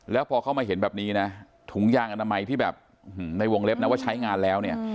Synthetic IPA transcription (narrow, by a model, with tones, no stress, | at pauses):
lɛː˦˥wpʰɔː˧kʰa˥˩wmaː˧ɦe˩˦nbɛː˨˩p̚niː˦˥na˦˥ | t̪ʰu˩˦ŋjaː˧ŋʔa˧na˧ma˧jt̪ʰiː˥˩bɛ̰ː˨˩p̚ː | h̩˨˩na˧jwo˧ŋle˦˥p̚na˦˥wa˥˩t͡ɕʰa˦˥jŋaː˧nlɛː˦˥wni˥˩ɐ